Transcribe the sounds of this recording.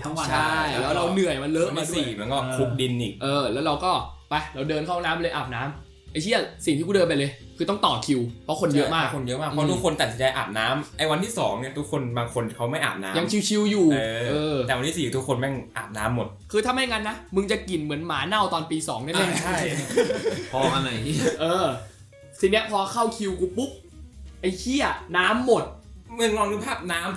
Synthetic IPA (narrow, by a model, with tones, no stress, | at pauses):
t̪ʰa˦˥ŋwa˧t͡ɕʰa˥˩jlɛ˦˥wɾa˧wnɯ˨˩əjma˧nlə˦ʔʰi˧˥dusiː˨˩mɯ˩˦ənkɔː˥˩kʰu˦˥k̚di˧nʔiː˨˩k̚ʔɤː˧lɛː˦˥wɾa˧wkɔː˥˩pa˧jɾa˧wdɤː˧nkʰa˥˩˧naː˦˥mplɤː˧ʔaː˨˩p̚naː˦˥m | ʔa˧˩jt̪ʰi˥˩ɐ˩si˨˩t̪ʰiː˥˩u˧˥˩dɤː˧np̬a˧jlɤː˧jkʰɯː˧t̪ɔ˥˩ŋt̪ɔː˨˩kʰi˧wpʰɔ˦˥kʰo˧njɤ˦˥˩maː˥˧˥kʰo˧njɤ˦˥ʔmaː˥˩kʔʰɔ˦˥˧t̪u˦˥kʰo˧nt̪a˨˩si˦nt͡ɕa˧jʔa̰ː˨˩p̚naː˦˥mʔa˧˩jwa˧nt̪ʰiː˥˩sɔː˩˦ŋni˥˩t̪ʰu˦˥kʰːo˧nbaː˧ŋkʰo˧nkʰa˦˥wma˥˩jʔa̰ː˨˩p̚na̰ː˦ja˧ŋkʰi˧wt͡ɕʰi˧wjuː˨˩˧ʔɤː˧ɛː˨˩wa˧nt̪ʰiː˦˥˩siː˨˩t̪ʰu˦˥kʰːo˧nmɛ˥˩ŋʔa̰ː˨˩p̚naː˦˥mːo˨˩t̪̚kʰɯː˧t̪ʰa˧ma˧˩jŋa˧nːa˦˥mɯ˧ŋt͡ɕa˨˩ki˨˩nmɯ˩˦ənmaː˩˦na˥˩wt̪ɔː˧npiː˧sɔ̰ː˩˦ŋdɯ˥˩˨lɛ˥˩a˥˧˥je˨˩˥pʰɔ˧a˧na˧˩jʔɤː˧ | siː˨˧˩ni˦˥ɐpʰɔː˧kʰa˥˩wkʰi˧wkuː˧˩pu˦˥p̚ | ʔa˧jkʰi˥˩ɐnaː˦˥mːo˨˩t̪̚mɯ˧˩əŋlɔː˧ŋlɯ˧pʰɛː˥˩p̚naː˦˥m